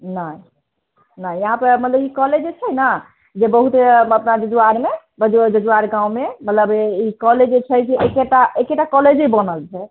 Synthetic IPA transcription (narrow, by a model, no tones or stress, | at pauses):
nə | najjəɦãpəɾmət̪ləbikɔled͡ʒt͡ʃʰɛjna | d͡ʒebəɦut̪eəpnad͡ʒəd͡ʒuaɾme | bəd͡ʒd͡ʒəd͡ʒuaɾɡãũmemət̪ləbikɔled͡ʒt͡ʃʰɛjd͡ʒeʔekeʈaʔekeʈːakɔled͡ʒibənəlt͡ʃʰɛ